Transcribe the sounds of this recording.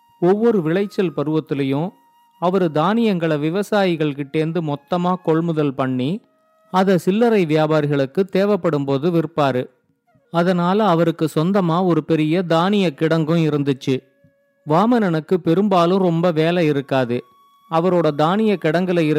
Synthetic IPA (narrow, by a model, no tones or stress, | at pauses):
ɔʋːɔɾɯʋɪɭɐɪt͡ʃːɐlpɐɾɯʋɐt̪ːɪlɐjɯ̃ | ɐʋɐɾɯd̪aːnɪjɐŋɡɐɭɐʋɪʋɐsaːjɪɣɐɭkɯʈ̪ːeːnd̪ɯmɔt̪ːɐmaːkɔɭmɯðɐlpɐɳːi | ɐðɐsɪlːɐɾɐɪʋɪjaːbaːɾɪɣɐɭɯkːɯt̪eːʋɐpːɐɽɯmpoːðɯʋɪɾɯpːaːɾɯ | ɐðɐnaːlɐːʋɐɾɯkːɯsɔnd̪ɐmaːɔɾɯpɛɾɪjɐd̪aːnɪjɐkɪɽɐŋɡɯ̃ɪɾɯnd̪ɯt͡ʃːɯ | ʋaːmɐnɐnɯkːɯpɛɾɯmbaːlɯ̃ɾɔmbɐʋeːlɛɪɾɯkːaːðɯ | ɐʋɐɾoːɽɐd̪aːnɪjɐkɪɽɐŋɡɐlɐ